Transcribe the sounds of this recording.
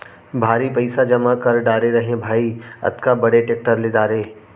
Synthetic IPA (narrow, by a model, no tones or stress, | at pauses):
bʱaːɾipɐɪsad͡ʒɐmakɐɾɖaːɾeɾɐɦẽbʱaːiɐ̰t̪kabɐɽeʈeːk̚ʈəɾlɪd̪aːɾeː